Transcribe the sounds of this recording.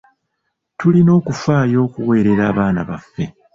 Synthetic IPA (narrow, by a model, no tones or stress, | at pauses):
tulino̞ːkufaːjo̞ːkuwe̞ːɾe̞ɾaːβaːnaβafːe̞